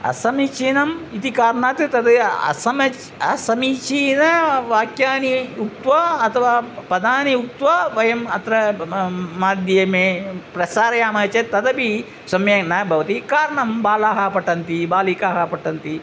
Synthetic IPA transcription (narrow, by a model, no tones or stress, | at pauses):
ɐ̰sɐmit͡ʃiːnɐmit̪ikaːɾɳaːt̪ɨt̪ɐd̪ɨɐ̰sɐmɐt͡ʃ | ɐsɐmit͡ʃinɐʋaːkjaːniuk̚t̪ʋɐɐt̪ʰɐʋaːpɐd̪aːniuk̚t̪ʋaʋɐjɐmɐt̪ɾɐ | maːd̪jjɐmeːpɾɐsaːɾɐjaːmɐt͡ʃɐt̪ɐd̪ɐbi | sɐmjɐnɐbʱɐʋɐt̪ikaːɾɐɳɐmbaːlaːɦapɐʈːɐnt̪ibaːlikaːɦɐpɐʈːɐnt̪i